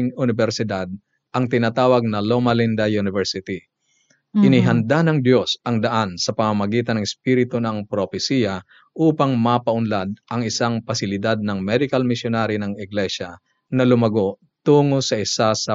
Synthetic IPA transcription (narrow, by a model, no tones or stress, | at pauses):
ŋʊnɪbɛɾsɪd̪ad̪̚ | ʔɐŋt̪ɪnaːt̪aːwɐɡ̚nɐlomɐlind̪ɐjunɪvɛɾsɪt̪i | ʔɪniɦɐnd̪anɐŋd̪jo̞sɐŋd̪ɐʔansɐpɐmamɐɡiːt̪ɐnɐŋɛspiːɾɪt̪onɐŋpɾofɛsiːjɐ | ʔuːpɐŋmɐpɐʔʊnlad̪̚ʔɐŋɪsaŋpɐsɪlɪd̪ad̪̚nɐŋmɛd̪ɪkɐlmɪsjonaɾinɐŋɪɡlɛʃɐ | nɐlʊmɐɡo̞ʔ | t̪uːŋosɐʔɪsasɐ